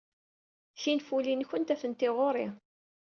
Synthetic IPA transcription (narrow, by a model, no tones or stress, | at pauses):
sinfulinçənt̪æfənt̪ɪʁoɾˤi